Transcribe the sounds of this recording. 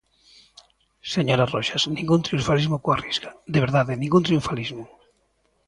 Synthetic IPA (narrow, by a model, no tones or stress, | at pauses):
seɲoɾaroʃasnĩŋɡunt̪ɾiuɱfalizmokwariskad̪eβ̞eɾðaðenĩŋɡunt̪ɾiuɱfalizmo